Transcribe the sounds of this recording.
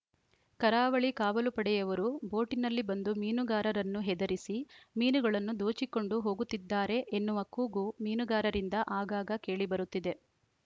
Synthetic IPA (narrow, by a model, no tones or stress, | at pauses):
kɐɾaːʋɐɭikaːʋɐlupɐɽɛjɐʋɐɾubo̞ːʈinɐlːibɐnd̪umiːnuɡaːɾɐɾɐnːuɦɛd̪ɐɾisimiːnuɡɐɭɐnːud̪oːt͡ʃiko̞ɳɖuɦo̞ːɡut̪ːid̪ːaːɾe̞ʔenːuʋɐkuːɡumiːnuɡaːɾɐɾind̪ɐʔaːɡaːɡɐke̞ːɭibɐɾut̪ːid̪e̞